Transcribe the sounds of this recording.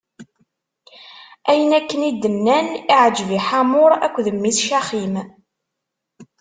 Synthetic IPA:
æjənækːənid̪ːənːæniʕəd͡ʒviħamʊɾˤæ̰kʷːðəmːiθʃæχim

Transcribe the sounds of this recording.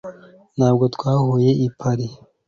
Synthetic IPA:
n̥haːbɡo̞t̪kwaːhuje̞ʔipʰaɾe

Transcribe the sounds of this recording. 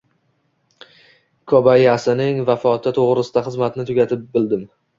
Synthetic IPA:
kʰɒbajasɪnɪŋvafɒt̪ʰɪt̪ʰoʁɾɪsɪd̪aχɨzmat̪ɪnɪt̪ʰʊɡʲat̪ʰɪp̚bɪld̪ɪm

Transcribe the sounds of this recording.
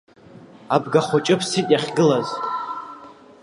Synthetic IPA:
abɡaχʷʊt͡ʃʼɨpʰsitʼjaχʲɡɨlaztʼ

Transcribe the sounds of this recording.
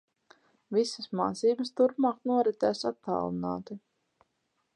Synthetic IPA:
visəsma̰ːt̪siːbɨs̬t̪uɾpmaːknuɔɾit̪ɛːsat̪ːa̰ːlˠina̰ːt̪i

